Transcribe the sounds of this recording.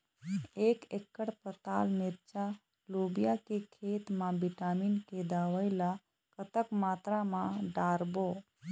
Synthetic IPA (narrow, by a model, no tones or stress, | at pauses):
eːkekːəɽpət̪aːlmeɾt͡ʃa | lubijakekʰet̪mãbiʈaminked̪awəɪla | kət̪əkmaːt̪ɾamãɖaɾbo